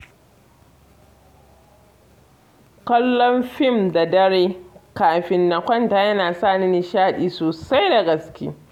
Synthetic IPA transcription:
kɐ˦lːɔ˦mɸɪ˦˨mda˨dɐ˦ɽeː˦kaː˨ɸɪ˨nːa˨kʷɐ˦ntaː˨jɐ˦naː˨sa˦˨ni˦ni˨ʃaː˦˨ɗiː˦soː˨sa˦jda˨ɡɐ˨skʲḭ˦

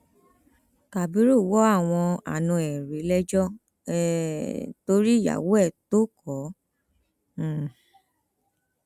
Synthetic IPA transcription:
ka˨bi˨˦ɾu˦˨wɔ˨˦a˦˨w̃ɔ̃˧a̰˨nũ˧ɛ˨ɾe˨˦lɛ˦d͡ʒɔ˦ | ɛ˦˨to˧˦ɾi˦˨ja̰˨wo˨˦ɛ˦˨to˦kʰɔ˨˦˨

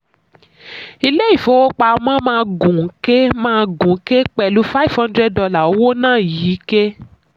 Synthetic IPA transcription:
i˧le˦i˦˨fo˨˦wo˦k͡pa˧˦mã˦mãː˦˧ɡũ˨ŋ̩˦ke˦mãː˦˧ɡũ˨˦ke˦k͡pɛ˧lu˦fa˦i˦˨fhã˦ndɾɛ˦dɔ˧la˨o˦wo˦nãː˦˨jiː˨˦ke˦

